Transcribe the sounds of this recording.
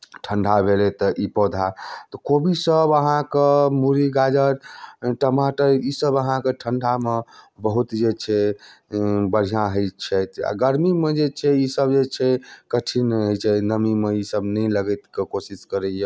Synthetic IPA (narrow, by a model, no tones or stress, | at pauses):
ʈʰəɳɖʱabʱelet̪ɔʔipɔd̪ʱat̪ɔkobʱisəbəɦãkemuɾiɡad͡ʒəɾʈəmaʈəisəbəɦãkeʈʰəɳɖʱamebəɦut̪d͡ʒet͡ʃʰɛ | bəɽ̤ijãɦəjt͡ʃʰɛt̪a̰ɡəɾmimed͡ʒet͡ʃʰɛisəbd͡ʒet͡ʃʰɛkəʈʰinɦəjt͡ʃʰɛnəmimeisəbnɛjləɡət̪kekosiskəɾɛje